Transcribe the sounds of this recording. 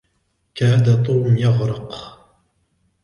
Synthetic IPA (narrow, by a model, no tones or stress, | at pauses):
kaːd̪at̪ˤuːmjɑɣɾɑq